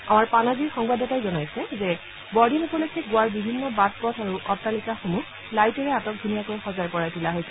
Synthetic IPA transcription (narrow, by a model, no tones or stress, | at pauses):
amaɹpanaziɹxɔŋbadɔtajzɔnajsɛzɛ | bɔdinupɔlojkʰɛɡʊwaɹbibʱinːɔbat̚pɔtʰaɹuʔɔtːalikaxomux | lajtɔɹɛatɔk̚dʱunijakojxɔzajpɔɹajtilaɦojsɛ